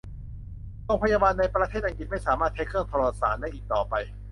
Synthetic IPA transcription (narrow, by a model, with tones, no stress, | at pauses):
ɾo˧ŋpʰa˧jaː˧baː˧nːa˧jpɾa˧eː˥˩t̪̚ʔa˧ŋki˨˩t̪̚ma˥˩jsaː˩˦maː˥˩t̪̚ha˦˥kʰɯ˥˩ŋt̪ʰɔ˧ɾɔː˧˩t̪sa̰ː˩˦nda˥˩jʔiː˨˩k̚t̪ɔː˨˩pa˧j